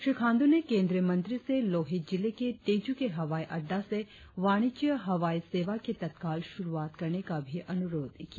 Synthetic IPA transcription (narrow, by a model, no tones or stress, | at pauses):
ʃikʰãːnd̪unekẽːnd̪ɾiəmɐ̃nt̪ɾiseloːɦɪt̪̚d͡ʒɪlekeʈeːd͡ʒukeɦɐʋaːiʔɐɖːase | ʋaːɽ̃it͡ʃijəɦɐʋaːiseːʋaket̪ɐt̪kaːlʃʊɾuaːt̪kɐɾnekabʱiʔɐnʊɾoːd̪ki